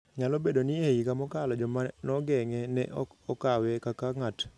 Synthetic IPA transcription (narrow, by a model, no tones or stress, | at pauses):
ɲalobedonieikamɔkalɔd͡ʒɔmanɔɡɛŋɛnɛ̰ʔɔkawɛkakaŋat